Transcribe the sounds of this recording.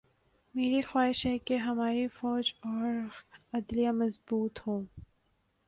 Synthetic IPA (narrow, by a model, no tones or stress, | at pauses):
meːɾixwaːɦɪʃɦɛkeɦɐmaːɾifɔːd͡ʒɔːɾɐd̪lijamɐzbuːt̪hõː